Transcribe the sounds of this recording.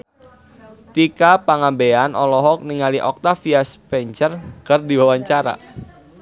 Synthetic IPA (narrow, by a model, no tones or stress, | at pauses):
t̪ikapaŋambeanʔɔlɔɦɔk̚niŋaliʔɔk̚t̪afiaspɛɲt͡ʃərkərdiwawaɲt͡ʃaɾa̰